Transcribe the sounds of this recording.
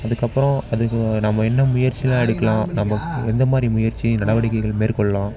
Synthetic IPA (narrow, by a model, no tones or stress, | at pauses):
ɐðɯkːɐpːɯɾɔ̃ɐðɯkːnɐmːɐɛnːɐmʊjɐɾt͡ʃːilãːɛɽɯkːɐlãːnɐmːɐɛnd̪ɐmaːd̪ɾimʊjɐɾt͡ʃːinɐɽɐʋɐɽɪkːɐɪɣɐɭmeːɾkɔɭːɐlãː